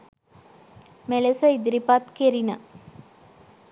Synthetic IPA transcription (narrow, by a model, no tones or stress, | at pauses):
melesəid̪iɾipat̪keɾinə